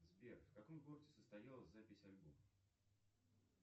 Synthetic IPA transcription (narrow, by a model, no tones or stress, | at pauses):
zbʲerfʲkɐkomɡoɾədʲɪsəst̪ɐjalˠəzʲzapʲɪsʲɐlʲbom